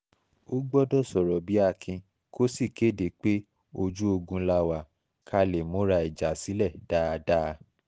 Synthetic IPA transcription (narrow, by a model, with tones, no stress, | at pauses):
o˦ɡ͡bɔ˦dɔ˦˨sɔ˨ɾɔ˨bi˨˦a˦˧kʰĩ˧ | ko˦si˦˨ke˦˨de˨˦k͡pe˦ | o˧d͡ʒu˦o˧ɡũ˧la˧wa˨ | kʰa˧le˨mõ˨˦ɾa˧i˨d͡ʒa˨˦si˨˦lɛ˦˨d̥aː˦˧da˦˧